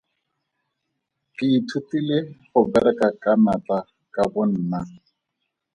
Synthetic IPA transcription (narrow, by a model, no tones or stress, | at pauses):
kɪːtʰutilɪχʊbɛɾɛkakanata | kabʊn̩ːna